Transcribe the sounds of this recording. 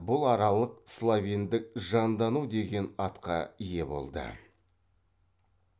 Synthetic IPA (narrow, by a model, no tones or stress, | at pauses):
bʊlˠɑɾɑlˠəqslˠavʲijnd̪ɪk̚ʒɑnd̪ɑnud̪e̞ɡʲe̞nɑt̪qɑ̰ije̞bo̞̰lˠd̪ə̰